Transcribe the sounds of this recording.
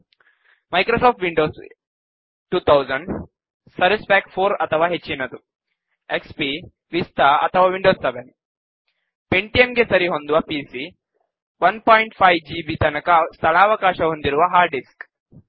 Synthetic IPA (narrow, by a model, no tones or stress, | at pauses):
mɐjkɾosaːp̚ʈʋiɳɖoːs | ʈuːt̪ʰɐwzɐɳɖ | sɐɾispɛːkʈpʰoːɾɐt̪ʰɐʋaːɦet͡ʃːinɐd̪u | ekspi | ʋist̪ʰɐɐ̰t̪ʰɐʋaːʋiɳɖoːsːeʋen | peɳʈiemɡesɐɾiɦond̪uʋɐpiːsi | ʋɐnpaːjiɳʈpʰɐjʋd͡ʒiːbiːt̪ɐnɐkɐst̪ʰɐɭaːʋɐkaːʃɐɦond̪iɾuʋaɦaːɾɖisk